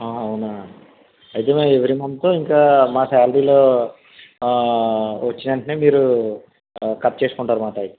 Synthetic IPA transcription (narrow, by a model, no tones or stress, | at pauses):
aːɐunaː | ɐjt̪emeeʋɐɾimɐnd̪t̪uiŋkaːmaːfaːlɖiːloː | ʋɐt͡ʃːinɐɳʈɐneːmiːɾu | kɐt̪̚ːt͡ʃe̞ːsu̥kuɳʈaːɾumaːʈaːji